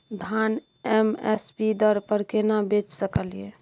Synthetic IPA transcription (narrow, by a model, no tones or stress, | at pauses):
d̪ʱan | ɛmḛspid̪əɾpəɾkenabet͡ʃsəkəlije